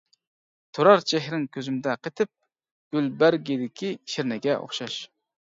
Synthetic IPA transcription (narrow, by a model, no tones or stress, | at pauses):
t̪ʰoɾɑɾt͡ʃʰɛɦɾɪŋkʲʰøzymd̪ɛqʰet̪ʰɪp̚ | ɡ̥ʲylbæɾɡʲid̪ɪkʲʰiʃɪɾnɪɡʲɛʔo̰χʃɑʃ